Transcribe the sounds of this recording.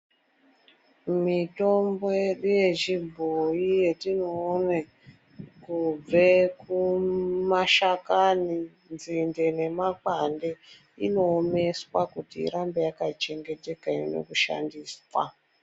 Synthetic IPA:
mito̞mborijet͡ʃibʱoijetinoːne | kub͡vekumaʃakani | nzinde̞ne̞makande̞ | ḭno̞ːme̞swakutḭːɾambe̞jakat͡ʃe̞ŋɡe̞te̞kaino̞̰kuʃa̰ndiːswa̰

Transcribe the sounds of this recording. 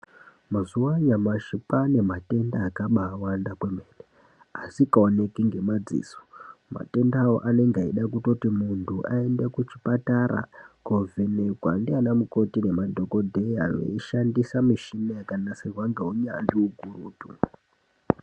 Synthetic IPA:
mazuwaɲamaʃipane̞mate̞ndaːkaɓaːwandakwemeːne | asikaone̞kiŋɡe̞mad͡zḭːso̥ma̰te̞ndawo̰ʔane̞ŋɡaiɗakuto̞timuntʰuʔae̞ndekut͡ʃipataɾa̰kovʱeneɡʱwa̰ndianamuko̞tine̞madʱoko̞dʱe̞ia̰jḛiʃandisamiʃinejakanaserwaŋɡeɦuɲa̰ndiuɡʱuruːtṵ

